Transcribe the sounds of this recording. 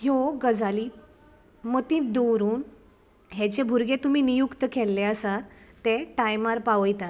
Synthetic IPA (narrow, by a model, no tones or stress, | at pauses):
hjoɡəd͡zaliː | mət̪ĩːt̪d̪oɾuːn | ɦet͡ɕebʱuɾɡet̪um̤iːnijukt̪əkʰɛlːeəsat̪ːeʈajmaɾpaʋəjt̪at̪